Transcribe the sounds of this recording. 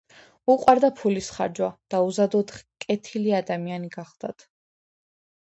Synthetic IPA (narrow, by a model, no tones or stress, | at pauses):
uqʼwaɾd̪apʰulisχa̰ɾd͡ʒwad̪̥auzad̪ɔt̪kʼɛt̪ʰiliad̪amianiɡaχlˠd̪̥at̪ʰ